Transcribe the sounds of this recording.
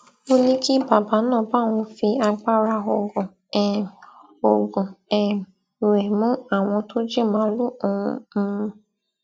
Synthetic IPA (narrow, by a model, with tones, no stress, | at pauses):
o˦nĩ˦ki˦ba˨ba˨˦nɔ̃ː˦˨ba˦˨ŋ̃ɔ̃˧fi˧a˧k͡pa˦ɾa˧o˨ɡʊ̃˨ | o˨ɡũ˨ɛ˨ | ɾe˨mũ˦a˨w̃ɔ̃˧to˦d͡ʒi˦˨mã˨˦lũ˦˨m̩˦